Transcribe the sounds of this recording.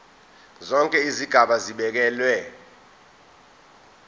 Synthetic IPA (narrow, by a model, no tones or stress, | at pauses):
zɔŋkʼɛiziɡ̥ʱaɓaziɓɛk̬ɛːlwɛ